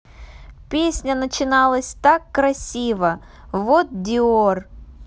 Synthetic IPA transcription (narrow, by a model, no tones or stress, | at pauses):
pʲesʲnʲənət͡ɕɪnɑlˠəsʲt̪akːɾɐsʲivə | vot̪̚d̪ʲɪor